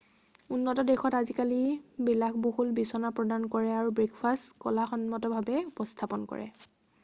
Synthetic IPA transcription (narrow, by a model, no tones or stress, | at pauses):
unːɔtɔdɛxɔtazikalibilaxboɦutbisɔnapɹɔdankɔɹɛaɹubɹekfʰastkɔ̰laxɔnmɔtɔbʱabɛupɔstʰapɔnkɔ̰ɹɛ̰